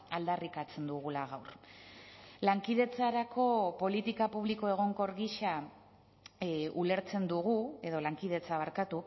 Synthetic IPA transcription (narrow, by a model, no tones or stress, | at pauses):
ald̪arikat͡se̞nd̪uɣ̞ulaɣawr | laŋkiðe̞t͡saɾakʰo̞po̞lit̪ikapuβliko̞e̞ɣ̞o̞ŋko̞ɾɣiʃa | ule̞ɾt͡se̞nd̪uɣ̞ue̞ðo̞laŋkið̞e̞t͡saβ̞aɾkat̪u